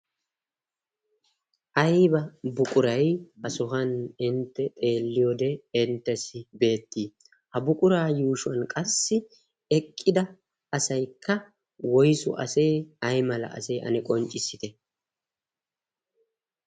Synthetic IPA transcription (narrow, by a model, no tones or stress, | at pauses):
ʔɐjbɐbʊkʼʊɾɐjʔɐsʊɦɐnɪnt̪ːɛt̪ʼe̞ːlːɪjoːd̪ɛɪnt̪ːɛsɪbe̞ːt̪ːiː | hɐbʊkʼʊɾaːjuːʃʊɐnkʼɐsːɪ | ɛkʼːɪd̪ɐ | ɐsɐjkʰːɐ | wɔjsʊ̰ʔɐ̰se̞ːɐjmɐlɐ̰ʔɐ̰seːʔɐ̰nɛkʼɔnt͡ʃʼɪsɪt̪ɛ